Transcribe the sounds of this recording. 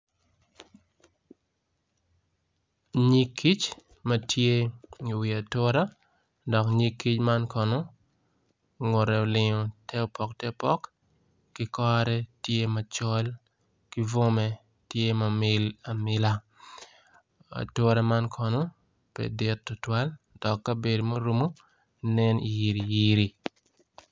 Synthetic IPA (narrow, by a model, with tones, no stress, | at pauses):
ɲi˦kːi˦t͡ʃ | mɐ˦tʰje˦i˨wi˨a˨tɔ˦ɾa˦ | dɔ˨kɲi˦kːi˦t͡ʃma˦nkɔ˨no˦ | ŋʊ˨ɾɛ˨o˨lɪ˨ŋɔ˨tʰɛ˦o˨pɔ˨ktɛ˦pɔ˦kː | ɪ˦kɔ˦ɾɛ˦tje˦ma˨t͡ʃɔ˦l | ki˦vo˦mɛ˦ | tje˦ma˨mɪ˦la˨mɪ˦la˦ | a̰˨to˦ɾa˦ma˦nkʰɔ˨no˦ | pɛ̰˨dɪ˦tːʊ˨twa˦ld̥ɔ˨kːɐ˦be˨do˨mo˦ɾu˦mo˦ | nɛ˦nḭ˨ji˨ɾi˨ji˦ɾi˨